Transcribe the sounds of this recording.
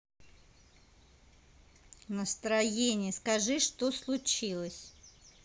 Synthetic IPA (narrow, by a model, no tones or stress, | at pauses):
nəst̪ɾɐjenʲɪjəskɐʐɨʂt̪oslˠʊt͡ɕilˠəsʲ